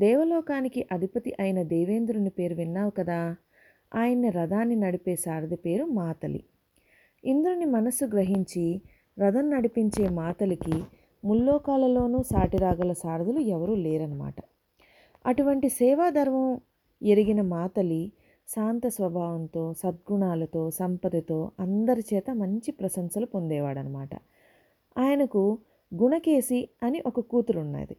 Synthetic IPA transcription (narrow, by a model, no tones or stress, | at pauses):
d̪ɛːʋɐlɔːkaːnikiʔɐd̪ʱipɐt̪iʔɐjɐnɐd̪ɛːʋe̞ːnd̪ɾunipe̞ːɾʋinːaːʋukɐd̪aː | aːjɐnːiɾɐd̪aːnːinɐɽipeːsaːɾd̪ɐpe̞ːɾumaːt̪ɐlḭ | ind̪uɾunimɐnɐsːuɡɾɐɦiɲt͡ʃi | ɾɐd̪ɐnnɐɽipiɲt͡ʃe̞ːmaːt̪ɐliki | mulːɔːkaːlɐlo̞ːnuːsaːʈiɾaːɡɐlɐsaːɾd̪ɐluɛʋɐɾuːleːɾɐnɐma̰ːʈɐ | ɐʈuʋɐɳʈisɛːʋaːd̪ʱɐɾʋɐm | eɾiɡinɐmaːt̪ɐli | ʃaːnt̪ɐsʋɐbʱaːʋɐnt̪o̞ːsɐd̪̚ɡuɳaːlɐt̪o̞ːsɐmpɐd̪ɐt̪o̞ːɐnd̪ɐɾit͡ʃɛːt̪ɐmɐɲt͡ʃipɾɐsɐŋsɐlupo̞nd̪ɛːʋaːɽɐnɐma̰ːʈɐ̰ | aːjɐnɐku | ɡuɳɐke̞ːsiɐniʔɔkɐkuːt̪uɾunːa̰ːd̪ḭ